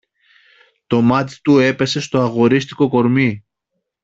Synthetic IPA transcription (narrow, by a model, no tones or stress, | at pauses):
t̪o̞mɐt̪̬i̥t̪ue̞pe̞se̞st̪o̞ɐɣo̞ɾist̪i̥ko̞ko̞ɾmi